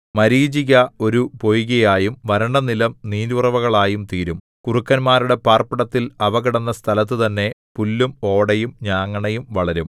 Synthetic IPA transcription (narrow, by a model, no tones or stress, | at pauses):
mɐɾiːd͡ʑiɣɐo̞ɾupojuɣɐjaːjumʋɐɾɐɳɖɐnilɐmniːnurɐʋɐɣɐɭaːjumt̪iːɾum | kurukːɐnmaːɾuɽe̞paːrpɐɽɐt̪ːilɐʋɐɣɐɽɐnːɐst̪ʰɐlɐt̪̬ːɨt̪ɐnːe̞pulːumo̞ːɽɐjumɲaːŋːɐɳɐjumʋɐɭɐɾum